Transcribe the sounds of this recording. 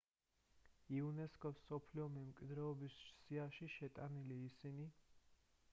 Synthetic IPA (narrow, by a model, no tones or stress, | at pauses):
iunɛskʼɔsɔpʰliɔmɛmkʼwid̪ɾɛɔbissiaʃiʃɛt̪ʼaniliːsini